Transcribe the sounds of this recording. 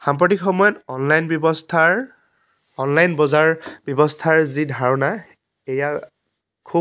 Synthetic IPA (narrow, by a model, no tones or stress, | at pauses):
xampɹɔtikxɔmɔjɔtɔnlajnbɔbɔstʰa | ɔnlajnbɔzaɹbjɔbɔstʰaɹzidʱaɹɔna | eja | kʰu